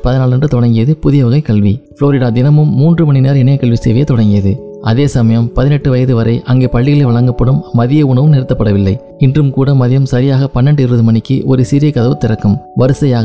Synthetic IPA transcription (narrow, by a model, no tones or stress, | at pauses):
pɐðɪnaːɭɐndrɯt̪ɔɽɐŋɡɪjɐðɯpʊðɪjɐʋɐɣɐɪkɐɭʋifloːɾɪɽaːd̪ɪnɐmɯmːuːndrɯmɐɳɪneːɾɪnɐjɐkːɐɭʋisḛːʋɐjɐt̪ːɔɽɐŋɡɪjɐðɯ | ʔɐðeːsɐmɐjɐmpɐðɪnɛʈːɯʋɐjɐðɯʋɐɾɐɪʔɐŋɡeːpɐɭːɪɣɐɭɛʋɐɭɐŋɡɐpːɐɽɯmːɐðɪjɐʊɳɐʋɯmnɪɾɯt̪ːɐpːɐɽɐʋɪlːɐɪ | ɪndrɯmkuːɽɐmɐðɪjɐmsɐɾɪjaːɣɐpɐnːɛɳɖɯɪɾʋɐðɯmɐɳɪkːɯʔɔɾɯsɪɾɪjɐkɐðɐʋɯt̪ːɪɾɐkːɯmʋɐɾɯsɐjaːɣɐ